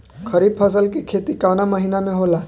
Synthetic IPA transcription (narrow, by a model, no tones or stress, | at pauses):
kʰəɾib̚pʰəs̬əlkikʰet̪ikanaməɦinameɦola